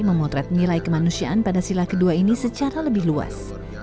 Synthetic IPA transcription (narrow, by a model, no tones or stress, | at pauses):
məmɔt̪ɾɛt̪̚nilajkəmanusiaʔanpadasilakəduainisət͡ʃaɾaləbɪɦlua̰s